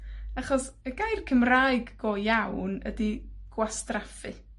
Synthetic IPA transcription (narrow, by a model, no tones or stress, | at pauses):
aχɔsəɡajrkʰəmraːjɡːoːjawnə̰diɡ̥wastrafɨ̰